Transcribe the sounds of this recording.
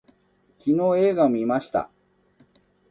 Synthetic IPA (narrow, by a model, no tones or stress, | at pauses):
kʲino̞ːe̞ːɡaomimaɕi̥t̪a̰